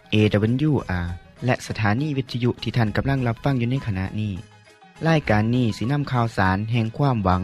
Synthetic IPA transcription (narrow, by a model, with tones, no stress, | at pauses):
ʔeː˧da˧be˧˦njuː˧˩ʔaː˧˩ | lɛ˧ʔsa˧t̪ʰaː˨˦niː˧˩wi˧t̪ʰːa˧ju˧˥ʔt̪ʰiː˧˩t̪ʰa˧˥˩nka˨˧˦mla˧˩ŋla˧p̚fa˧˥˨ŋjuː˧na˧˥˩jkʰa˧na̰˧ʔniː˥˩ | laː˧˥˩jkaː˨˧nːiː˧˩siː˧˦na˧˥˨mkʰaː˧˩wsaː˨˦nɦɛː˧˩ŋkʰwaː˧˥˩mwa˨˦ŋ